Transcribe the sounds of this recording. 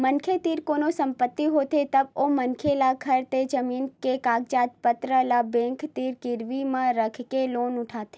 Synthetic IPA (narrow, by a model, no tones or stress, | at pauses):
mənkʰet̪iːɾkoːnosə̃mpət̪ːiɦot̪et̪əbomənkʰelaɡʰʱəɾt̪ed͡ʒəmiːnkekaːɡ̚t͡ʃaːt̪pət̪ɾəlabẽŋkʰt̪iɾkɪɾʋimãɾəkʰkeloːnʊʈʰaːt̪e